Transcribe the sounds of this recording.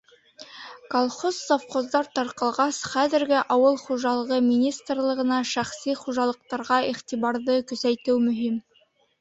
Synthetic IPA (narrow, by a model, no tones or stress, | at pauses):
kolˠχozːofqozd̪ɑɾt̪ɑɾqɑlˠʁɑsχæðɘ̆ɾɡɘʔɑwɤlˠχuʒɑlˠɤ̆ʁɤmʲinʲist̪rlˠɤ̆ʁɤ̆nɑʃæχsiχuʒɑlˠɤ̆q̚t̪ɑɾʁɑiχt̪iβɑɾðɤkɵ̆sæjt̪ɘwmɵ̆ɦim